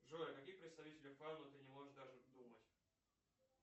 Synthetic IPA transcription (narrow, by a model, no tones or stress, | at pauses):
ʐojəkɐkʲixpɾʲɪt̪st̪ɐvʲitʲɪlʲɪfanːʊt̪ɨnʲɪmoʐɨʂd̪aʐɨd̪umətʲ